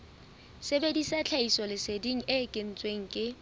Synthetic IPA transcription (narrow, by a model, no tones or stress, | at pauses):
sebedisat͡ɬʰaisɔlɪsediŋ̩ʔɪːkʼen̩t͡sʼweŋ̩kʼɪ